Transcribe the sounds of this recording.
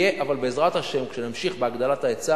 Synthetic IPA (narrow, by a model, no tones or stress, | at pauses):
eʔavalbeːzʁat̪haʃe̞mkʃenamʃiχbeaɡd̪alataet͡sa